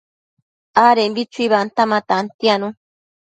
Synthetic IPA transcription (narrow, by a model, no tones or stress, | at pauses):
aɾenbit͡ʃuiβant̪amãt̪ant̪ianũ